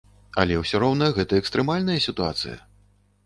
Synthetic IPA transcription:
ɐ̰lʲɛwsʲɔɾɔwnɐjɐɣɛt̪ɐɛkst̪ɾɛmalʲnɐjɐsʲit̪ua̰t̪sɨ̰jɐ̰

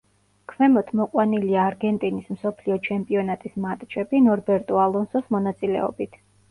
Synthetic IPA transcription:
kʰmɛmɔt̪ʰmɔqʼwaniliaːɾɡɛnt̪ʼinismsɔpʰliɔt͡ʃʰɛmpʼiɔnat̪ʼismat̪ʼt͡ʃʼʰɛbinɔɾbɛɾt̪ʼɔalˠɔnsɔsmɔnat̪sʼilɛ̰ɔ̰bit̪ʰ

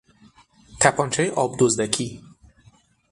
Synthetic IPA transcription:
t̪ʰæpʰɒːnt͡ʃʰɛjeʔɒːbd̪ozd̪ækʰi

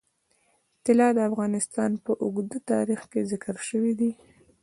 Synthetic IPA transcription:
t̪ɪlɑd̪əafɣɑnɪst̪ɑnpəʔʊɡd̪ət̪ɑ̰ɾixkezɪkəɾʃəwid̪i

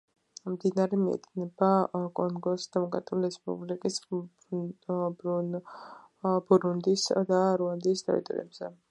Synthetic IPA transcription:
md̪inaɾɛmiɛ̰t̪ʰnɛbakʼɔŋɡɔsd̪̥ɛmɔkʼɾa̰t̪ʼiuliɾɛspʼṵblikʼis | b | buɾund̪isd̪aɾuand̪iːst̪ʰʼɛ̰ɾḭt̪ʼɔ̰ɾḭɛbz̥ɛ̰

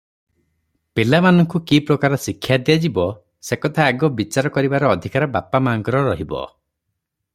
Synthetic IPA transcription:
pelamanɔŋkukipɾɔkaɾɔsikʰːjad̪ijad͡ʒibɔ | sekɔt̪ʰaːɡɔbit͡ʃaɾɔkɔɾibaɾɔːd̪ʱikaɾɔbapamaŋkɔɾɔɾɔɦibɔ̰

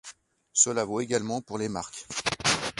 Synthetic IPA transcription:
səlavoeɡalmɑ̃puʁlema̰ʁkʲ

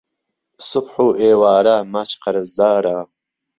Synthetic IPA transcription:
sʊbħuːʔeːwaːɾamat͡ʃqɐɾɐzd̪aːɾaː

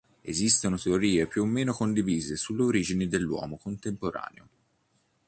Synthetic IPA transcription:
ezist̪onot̪eoɾiːepjuomːeːnokond̪iviːzesulːeoɾiːd͡ʒined̪elːwɔ̰ːmokont̪empoɾa̰ːnḛo

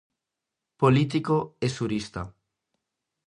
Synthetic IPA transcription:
polit̪ikoesuɾist̪a̰

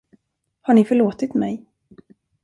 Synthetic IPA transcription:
haɳɪfœɭoːt̪ɪt̪mɛj

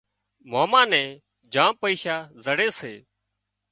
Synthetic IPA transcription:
moːmãːnɛ̃ː | d͡ʒãːpəiːʃaːzəɽeːseː

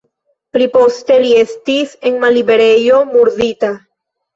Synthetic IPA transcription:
pɾipost̪eliest̪iseŋmaliβeɾejomuɾðit̪a

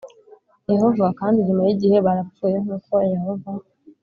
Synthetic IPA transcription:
jeho̞vakaːndiɲumajiɟihe̞βaɾafuːjeŋuːko̞jeho̞va

